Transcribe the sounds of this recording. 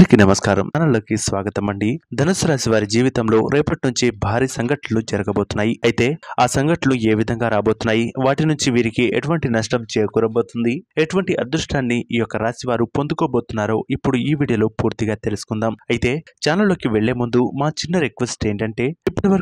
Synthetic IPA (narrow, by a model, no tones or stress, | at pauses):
nikinɐmɐskaːɾɐ̰mːnɐlo̞ːkisʋaːɡɐt̪ɐmːɐɳɖid̪ʱɐnɐsuɾaːsiʋaːɾid͡ʒiːʋit̪ɐmlo̞ːɾɛːpɐʈinuɲt͡ʃibʱaːɾiːsɐŋɡɐʈlulud͡ʒɐɾɐɡɐbo̞ːt̪unːaːjiɐjit̪e̞ːaːsɐŋɡɐʈlɐnue̞ːʋid̪ʱɐŋɡaːɾaːbo̞ːt̪unːaːjiʋaːʈinuɲt͡ʃiʋiːɾikiḛʈuʋɐɳʈinɐʂʈɐmt͡ʃeːɾkuːɾɐbo̞ːt̪und̪ieʈuʋɐɳʈiʔɐd̪ɾuʂʈaːnːiiːjɔkːɐɾaːsiʋaːɾupo̞nd̪uko̞ːbo̞ːt̪unːaːɾo̞ːʔipːuɽuiːʋiːɽijɐloːpuːɾt̪iɡaːt̪e̞lusu̥kund̪aːmɐjit̪e̞ːt͡ʃaːnlɐlːo̞ːkiʋeɭːe̞ːmund̪umaːt͡ʃinːɐɾekʋesʈe̞ːɳʈɐɳʈe̞ːipːɐʈiʋɐɾ